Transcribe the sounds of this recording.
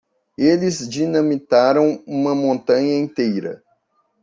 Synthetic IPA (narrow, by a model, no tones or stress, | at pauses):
elɪzd͡ʒinɐ̃mit̪aɾɐ̃w̃ũmɐmõnt̪ɐ̃ɲɐĩnt̪ejɾɐ̰